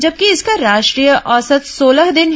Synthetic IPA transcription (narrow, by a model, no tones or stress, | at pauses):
d͡ʒɐb̚kiɪskaɾaːʃʈɾijəʔɔːsət̪soːləɦd̪ɪnɦ